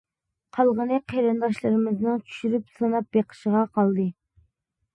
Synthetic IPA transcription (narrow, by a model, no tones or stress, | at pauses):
qʰɑlˠʁənɨqʰeɾɨnd̪ɑʃlˠɨɾɨmɪznɨŋt͡ʃʰy̥ʃyɾypsɨnɑp̚beqʰə̥ʃəʁɑqʰɑlˠd̪ɨ